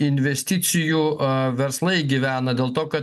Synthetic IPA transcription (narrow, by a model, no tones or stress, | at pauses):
ɪnʲʋʲɛsʲt̪ʲɪt̪sʲɪjuːʋʲɛɾslˠɐɪɡʲiʋʲæːnɐd̪ʲeːlˠt̪oːkɐt̪